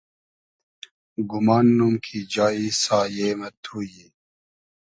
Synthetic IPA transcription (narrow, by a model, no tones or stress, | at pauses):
ɡumaːnːumkʰid͡ʑaːisaːjeːmɐt̪ʰuːje